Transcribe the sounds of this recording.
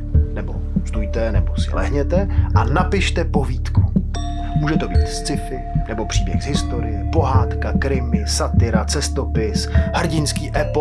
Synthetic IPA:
nɛbo̞̰ | st̪ujt̪ɛnɛbo̞sɪ̰lɛ̰ɦɲɛt̪ɛʔanapɪʃt̪ɛpo̞viːt̪ku | muːʒɛt̪o̞biːt̪st͡sɪfɪnɛbo̞pr̥iːbjɛxzɦɪst̪o̞ɾɪjɛpo̞ɦaːt̪kakɾɪmɪsat̪ɪɾat͡sɛst̪o̞pɪshr̩ɟɪnskiːʔɛp

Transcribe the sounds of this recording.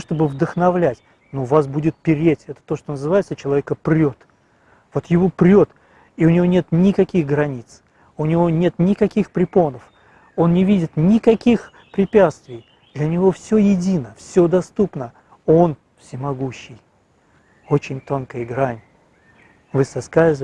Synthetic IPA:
ʂt̪o̞bɨvd̪əxnɐvlʲætʲ | nuvasbudʲɪt̪̚pʲɪɾʲetʲɛt̪ə̥t̪o̞ʂt̪onəzɨvajɪt̪sət͡ɕɪlˠɐvʲekəpɾʲo̞t̪ | v̥o̞t̪jɪvopɾʲo̞t̪ | iʊnʲɪvo̞nʲe̞t̪nʲɪkɐkʲixɡɾɐnʲit̪s | ʊnʲɪvo̞nʲe̞t̪nʲɪkɐkʲixpɾʲɪpo̞nəf | o̞nnʲɪvʲidʲɪt̪nʲɪkɐkʲix | pɾʲɪpʲat̪st̪vʲɪj | d̪̥lʲənʲɪvo̞fsʲɵjɪdʲinəfsʲod̪ɐst̪upnə | o̞n | fsʲɪmɐɡuɕːɪj | o̞t͡ɕɪnʲt̪o̞nkəjəɡɾanʲ | vɨsɐskaɪz

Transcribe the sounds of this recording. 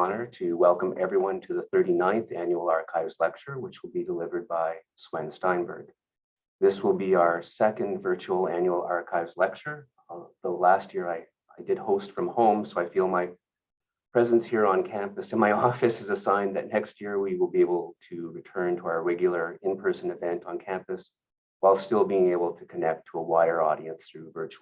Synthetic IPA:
nə˞ɾɨwɛlˠkə̃mɛvɹiwʌ̃ntʰɨðɨθɜ˞ɾinãɪ̃nθæ̃njul̩ˠɑɹkʰaɪvz̥lɛk̚t͡ʃə˞wət͡ʃwəl̩ˠbidəlɪvə˞d̚baɪ | swɛ̃nstãɪ̃nbə̰˞ɡ̚ | ðɪswəlˠbiaʊə˞sɛkɨ̃ndvɜ˞t͡ʃul̩ˠæ̃njul̩ˠɑɹkʰaɪvzlɛk̚t͡ʃə˞ | ðəlæst̚jɪɹaɪ | aɪdɨd̚hoʊstfɹʌ̃mhõʊ̃msoʊaɪfilˠmaɪ | pʰɹ̥ɛzɨ̃nshiɹə̃nkʰæ̃mpɨsɨ̃nmaɪɔfɨsɨzɨsãɪ̃nðɨtⁿnɛkst̚jɪɹwiwəlˠbieɪbl̩ˠtʰɨɹɨtʰɜ̃˞ntʰəaʊə˞ɹɛɡjl̩ˠə˞ɪ̃npʰɜ˞sɨ̃nɨvɛ̃ntn̩kʰæ̃mpɨs | waɪlˠstɪlˠbiɪ̃ŋeɪbl̩ˠtʰɨkʰɨnɛk̚tʰəəwaɪə˞ɔ̰ɾiɨ̃nsθɹʉvɜ˞t͡ʃu

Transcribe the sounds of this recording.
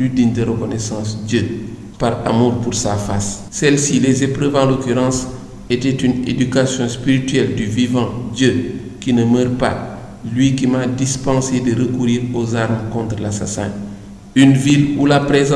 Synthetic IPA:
lydindəɾəkɔnɛsɑ̃sdjə | paɾa̰muːɾpuɾsafasː | ɛlsilɛzepɾøvɑ̃lokyɾɑ̃s | etɛtynḛdykasjɔ̃spiɾitɥɛldyvivɑ̃d̪jə | kinəmœːɾpa̰ | lɥikimadispɑ̃sedəɾəkuɾiːɾozaɾmkɔ̃nt̪ɾəlasa̰sɛ̰̃ | ynvilulapɾez̃

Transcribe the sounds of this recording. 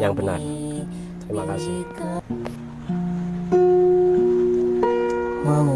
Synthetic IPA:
jaŋb̥əna̰r | t̪əɾimakasɪhk | mam

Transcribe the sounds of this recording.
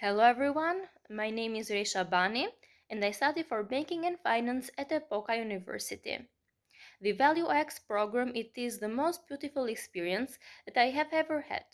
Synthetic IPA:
hɛloʊɛvɹiwãn | majnẽɪ̃mɪzɹeɪʃabani | ɛ̃ndajstadidfɔɹbɛ̃ŋkɪ̃ŋɛ̃nfãjnæ̃nsɛt̪əpokajunɪvɜ̰ɹsɪt̪ḭ | ðɨvælˠjuʔɛkspɹoɡɹæ̃mɪt̪ɪzðəmoʊst̚b̥jutɪfʊlˠɛkspiɹiə̃nsðɛtajɦɛvɛvə˞hɛ̰d̥

